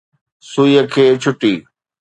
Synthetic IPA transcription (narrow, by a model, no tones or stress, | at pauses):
suiəkʰeːt͡ɕʰʊʈiː